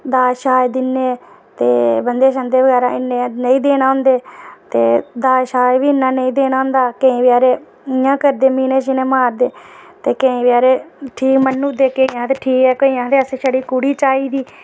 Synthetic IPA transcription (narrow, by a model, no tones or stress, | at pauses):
d̪aːʃaːed̪ɪnːeː | t̪eːbənd̪eːʃənd̪eːʋəɡɛːɾãːʔɪnːeːnəĩːd̪eːnaːɦʊ̃nd̪eːt̪eːd̪aːʃaːeʋiːɪnːãːnəĩːd̪eːnaːɦʊ̃nd̪aːkeĩːʋɪaːɾeː | ɪjãːkəɾd̪eːmiːnẽːʃɪnẽːmaːɾd̪eːt̪eːkẽĩːʋɪaːɾeːʈʰiːkmənːũːd̪eːkeiãːt̪eːʈʰiːkɛːkəiːãːt̪eəsẽːʃəɽiːkuɽiːt͡ʃaːiːd̪iː